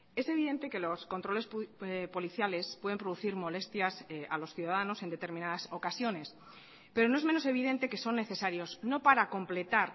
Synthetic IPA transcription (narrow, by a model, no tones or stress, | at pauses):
e̞se̞β̞iðe̞nt̪e̞ke̞lo̞sko̞nt̪ɾo̞le̞spo̞liθjale̞spweðempɾo̞ðuθiɾmo̞le̞st̪jasalo̞sθjuðaðano̞send̪e̞t̪e̞ɾmĩnaðaso̞kasjo̞ne̞s | pe̞ɾo̞noe̞zme̞nose̞β̞iðe̞nt̪e̞ke̞so̞nːe̞θe̞saɾjo̞zno̞paɾako̞mple̞t̪aɾ